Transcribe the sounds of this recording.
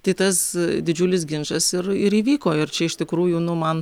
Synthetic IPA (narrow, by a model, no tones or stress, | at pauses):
t̪ɐɪt̪ɐsd̪ʲɪd͡ʒʲulʲɪs̬ɡʲɪnʃɐsɪrɪɾiːʋʲiːkoːɪrt͡ʃʲɛɪʃt̪ʲɪkɾuːjʊnʊmɐn